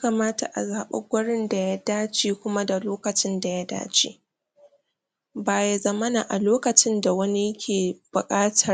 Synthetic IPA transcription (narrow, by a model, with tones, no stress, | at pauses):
jaː˦ka˨maː˦ta̰˨ʔa̰˨zaː˨ɓa̰˦ɡʷɐ˦ɽɪ˦nda˨ja˦daː˦t͡ʃeː˨kʷʊ˦ma˦da˨loː˦kɐ˨t͡ʃɪ˦nda˨ja˦da̰ː˦t͡ʃḛː˦ | baː˨ja˦zɐ˦mɐ˦naː˨ʔa˨loː˦kɐ˨t͡ʃɪ˦nda˨wɐ˦ni˦kʲʰeː˨b̥ʊ˨kʼaː˦tʰɐ˦˨